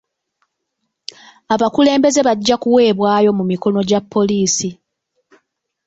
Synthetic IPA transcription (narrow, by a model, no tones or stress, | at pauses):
aβakule̞ːmbe̞ze̞βaɟːakuwe̞ːβwaːjo̞mumiko̞no̞ɟapːo̞liːsi